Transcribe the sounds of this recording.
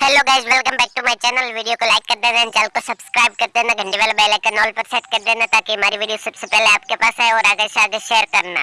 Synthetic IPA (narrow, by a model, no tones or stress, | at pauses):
pʰɛːloːɡaːɪd͡ʒʋɪlkɐmbɛːk̚ʈumaːjt͡ʃɛːnəlʋiːɖijokolaːɪkːɐɾd̪eːnãnt͡ʃaːlkosɐbskɾaːɪb̚kɐɾd̪eːnaɡʱɐ̃ɳɖebaːlbɛːlekɐnɔːlpɐɾsɛːʈkɐɾd̪eːnat̪aːkiɦɐmaːɾiʋiːɖijosɐbsepɛɦleaːp̚kepaːsɦaɛɔːɾaːɡesaːɡeʃeːəɾkɐɾna̰ː